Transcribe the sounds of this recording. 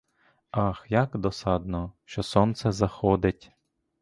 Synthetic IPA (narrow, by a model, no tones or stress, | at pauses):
ɑxjakd̪ɔsɑd̪nɔʃt͡ʃɔsɔnt̪sɛzɐxɔd̪ɪtʲ